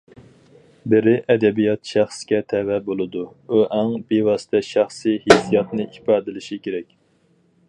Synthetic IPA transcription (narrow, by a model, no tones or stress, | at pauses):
bɪɾɪʔɛd̪ɛbijɑt̪ʃæχskʲɛt̪ʰɛwɛbolˠɨd̪u | uʔæŋbewɑsɨ̥t̪ʰɛʃæχsihesijɑt̪nɨʔipɑːd̪ɨlɪʃikʲʰeɾɛkʲ